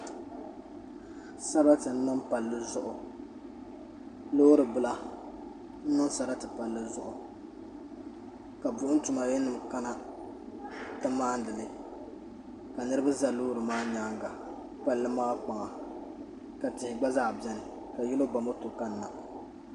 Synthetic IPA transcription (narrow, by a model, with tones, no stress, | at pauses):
sa˦ba˦tɨ˨n̩˦nɨ˦mpa˨lːɨ˦zʊ˦ʔʊ˨ | loː˦ɾɨ˨bɨ˦la˦ | n̩˦nɨ˦nsa˨ɾa˦tɨ˨pa˨lːɨ˦zʊ˦ʔʊ˨ | ka˨bʊ˦ʔʊ˦tʊ˨ma˨jɛ˦nɨ˨mka˦na˦ | ta˦maː˦n˦dɨ˨lɨ˦ | ka˨nɨ˦ɾɨ˦ba˦za˨loː˦ɾɨ˨maː˦ɲaː˦ŋɡa˨ | pa˨lːɨ˦maː˦k͡pa˨ŋa˨ | ka˨tɪ˨hɪ˨ɡ͡ba˦zaː˦˨bjɛ˦nɨ˨ | ka˨jɛ˦lo˦ba˨mo˦to˨ka˦n̩ː˦a˨ʔ